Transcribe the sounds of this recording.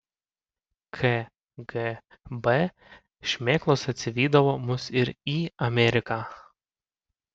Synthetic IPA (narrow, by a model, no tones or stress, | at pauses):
kʰe | ɡɛ | bɛ | ʃʲmʲeːklˠoːsɐt̪ʲsʲɪʋʲiːd̪ɐʋoːmʊsɪɾiːɐmʲɛɾʲɪkaː